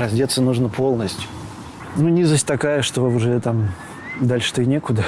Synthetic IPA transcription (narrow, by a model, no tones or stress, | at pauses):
ɾɐzʲdʲet̪sːənuʐnəpʰo̞lˠnəsʲtʲjʊ̥ | nunʲizəsʲtʲt̪ɐkajəʂt̪o̞ʊʐɛt̪am | d̪alʲʂɨ̥t̪ɨnʲekʊd̪ə